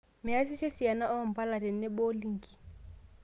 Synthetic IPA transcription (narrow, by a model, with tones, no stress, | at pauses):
mɪ˨a˦s̬i˦ʃe˦si˨a˨na˦ʔɔ˦˨m̩˨pa˦la˨ɾɛ˨nɛ˦bo˦li˦ŋ̩˨ki˨